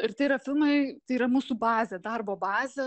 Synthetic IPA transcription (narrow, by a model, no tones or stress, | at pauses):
ɪɾt̪ɐɪiɾɐfʲɪlˠmɐɪt̪ɐɪiːɾɐmuːsubɑːzʲɛd̪ɐɾboːbɑːzʲɛ